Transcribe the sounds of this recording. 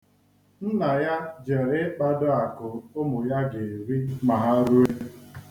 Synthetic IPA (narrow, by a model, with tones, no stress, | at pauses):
n̩˦na˨ja˦d͡ʒe˨ɾɪ˦k͡pa˦dʊ˦a˨kʊ˨ʊ˦mʊ˨ja˦ɡe˨ɾi˦ma˨ɦa˦ɾu˦e˦